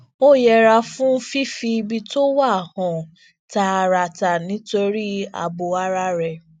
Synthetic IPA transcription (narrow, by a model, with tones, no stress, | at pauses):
o˦˨jɛ˧ɾa˧fũ˦fi˦fi˧bi˧to˦wa˦˨hɔ̃˨ | ta˧a˧ɾa˧ta˨nĩ˨˦to˧ɾi˦a̰˧bo˧a˧ɾa˧ɾɛ˨